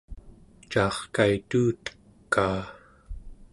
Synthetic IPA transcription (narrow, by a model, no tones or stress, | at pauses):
t͡ʃɑːχkait̪uːt̪ə̥kːaː